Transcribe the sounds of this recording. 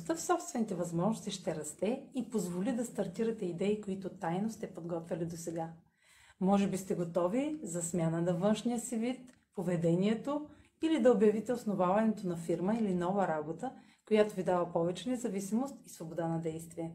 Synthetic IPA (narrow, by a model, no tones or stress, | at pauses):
st̪əfsɔpst̪vɛnit̪ɛvɐzmɔʒnost̪iʃt̪ɛɾɐst̪ɛipozvolid̪ɐst̪ɐɾt̪iɾɐt̪ɛid̪ɛikoit̪ʊt̪ajnost̪ɛpod̪ɡɔt̪vɛlid̪osɛɡa | mɔʒɛbist̪ɛɡot̪ɔvizɐsmʲjanənɐvɤnʃnijəsivit̪ | povɛd̪ɛniɛt̪o | ilid̪ɐobjɐvit̪ɛosnovavɐnɛt̪onɐfiɾməilinɔvəɾabot̪ə | kojat̪ovid̪avɐpɔvɛt͡ʃɛnɛzɐvisimost̪isvobod̪anɐd̪ɛjst̪viɛ